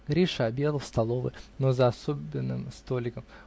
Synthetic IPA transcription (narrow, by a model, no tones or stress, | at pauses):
ɡɾʲiʂɐbʲjed̪əlˠst̪ɐlˠo̞vɨ̰nozɐɐsobʲɪnːɨ̰mst̪o̞lʲɪkəm